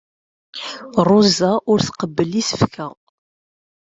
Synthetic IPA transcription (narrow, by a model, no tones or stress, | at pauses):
rˤozaʔʊɾθqəbːəlisə̥fkʰæ